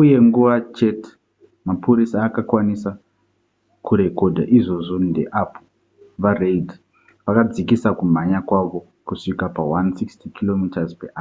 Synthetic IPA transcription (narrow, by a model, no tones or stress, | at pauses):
uje̞ŋɡuʋat͡ʃe̞tʰe̥ | mapuɾisaːkakwanisa | kuɾe̞ko̞dʱa̰ʔiʐo̞ʐo̞ndḛʔapʰo̥ | ʋareidʱi | ʋakad͡zikisakum̤aɲakwaʋo̞ | kuʂikapawansikstikilomitazpeʔaːa